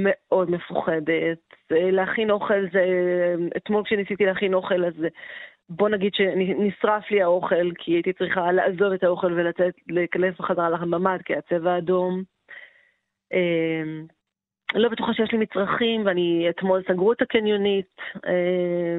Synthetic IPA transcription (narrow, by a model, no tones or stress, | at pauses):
me̞ʔo̞dme̞fuχede̞teleaχinoχe̞lzeḛt̪mo̞lkʃenisit̪ileaχino̞χe̞laz | bo̞naɡid̥̪ʃe̞ninisʁafliao̞χe̞lkʰiait̪it͡sʁiχalaʔazo̞ve̞t̪ao̞χe̞lve̞lat͡setlekale̞fbaχazaʁalaχembamad̚kiat͡se̞vaːdo̞m | em | lo̞bet̪uχaʃejeʃlimit͡sʁaχimveaniatmo̞lsaɡʁuet̪akenjonite